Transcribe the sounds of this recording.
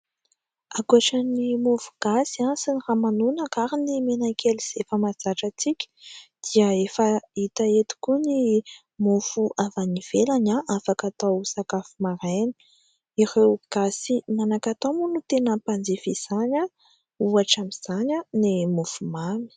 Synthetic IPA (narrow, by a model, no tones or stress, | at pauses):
akuaʈ͡ʂənimufu̥ɡ̥asasiniramanunəkaɾinimenakʰʲeliz̥efəmad͡zaʈ͡ʂət͡sikʲə̥d̪̥iəefəit̪aet̪i̥kuni | mufuʔavaniv̥elaɲaʔafakat̪awsakafumaɾanə̥ | irewɡ̥asinanakat̪omunut̪enəpand͡zifiz̥aɲə | uaʈ͡ʂamiz̥aɲənimufumami̥